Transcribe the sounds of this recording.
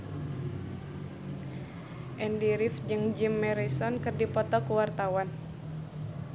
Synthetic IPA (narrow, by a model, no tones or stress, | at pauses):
ʔɛndiɾifd͡ʒɨŋd͡ʒimːɛɾisɔnkɨrdipɔt̪ɔkuwart̪awan